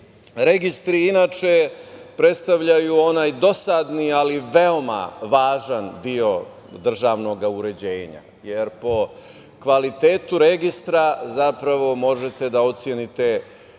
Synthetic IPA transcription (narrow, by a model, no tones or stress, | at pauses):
ɾe̞ɡist̪ɾiinaːt͡ʃepɾe̞t̪st̪aʋʎajuo̞naːjd̪o̞sad̪nialiʋe̞o̞ma̰ʋaːʒand̪io̞ | d̪r̩ʒaːʋno̞ɡauɾe̞d͡ʑeːɲa̰ | je̞ɾpo̞ | kʋalit̪e̞ːt̪uɾe̞ɡist̪ɾazapɾaʋo̞mo̞ʒet̪e̞d̪ao̞t̪sjenit̪e